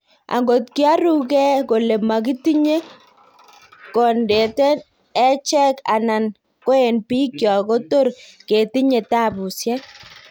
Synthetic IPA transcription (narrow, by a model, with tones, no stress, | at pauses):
a̰˨ŋɡo˨t̚ki˦a˦ɾu˦kɛ˦ko˨le˨ma˨k̬i˦ti˦ɲe˦ | kɔ˨nde˨tɛ˦n | ɛ˦t͡ʃɛ˦ka̰˨na˨n | ko˦e˨npi˦kjɔ˨ko˦to˦rke˨ti˦ɲe˨ta˦˨bu˨sjɛ˦